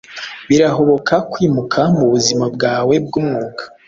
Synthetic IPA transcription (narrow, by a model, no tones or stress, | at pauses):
βiɾaɦo̞βo̞kʰakwiːmukʰamuβuzimabɡaːwe̞b̚ɡuːmŋuːkḁ